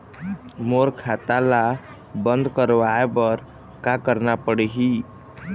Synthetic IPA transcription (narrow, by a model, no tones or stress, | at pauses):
moɾkʰat̪ala | bənd̪kəɾʋaebəɾ | kakəɾnapəɽeɦi